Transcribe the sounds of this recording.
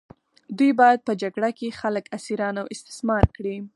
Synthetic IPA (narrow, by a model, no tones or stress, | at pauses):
d̪ujbɑjad̪̚pəd͡ʒaɡɽakexaləkasiɾɑnawɪst̪ɪ̥smɑɾkɽi